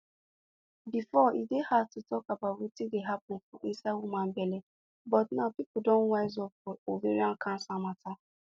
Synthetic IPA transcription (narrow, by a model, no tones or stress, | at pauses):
bifɔidehatutʰɔkabatwitideɦapʊ̃n̩fɔʔisawumãn̩bɛlɛ | bɔtnapipudõnwaɪzɔpwɔoveɾiãnkʰãn̩sãmata